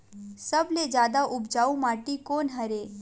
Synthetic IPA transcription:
səbled͡ʒjaːd̪aʔʊbd͡ʒaːũmaːʈikoːnɦəɾeː

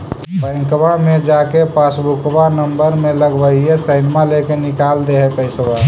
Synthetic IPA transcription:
pə̃ŋkbamed͡ʒakepasbukbanəmbəɾmẽləɡbəiesəɪnmalekenɪkald̪eɦepəɪsba

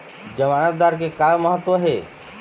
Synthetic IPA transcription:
d͡ʒəmanət̪̚d̪aːɾk̬ekaːlməɦət̪ːwəɦeː

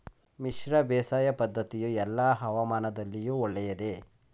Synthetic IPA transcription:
miʃɾɐbɛːsaːjɐpɐd̪ʱːɐt̪ijuɛlːaɦɐʋamaːnɐd̪ɐlːijuːɔɭːɛjɐd̪e̞

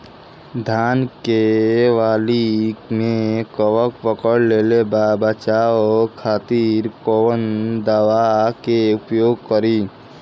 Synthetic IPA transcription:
d̪ʱaːnkeʋaːlimẽkəʋəkpəkəɽleːlebabət͡ʃaːokʰaːt̪iːɾkowənd̪əʋakeʊpjoːɡ̚kəɾiː

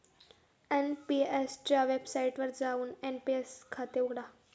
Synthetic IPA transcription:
enpiest͡ɕjaʋebsaiʈʋəɾd͡zauːnenpieskʰat̪euɡɽa

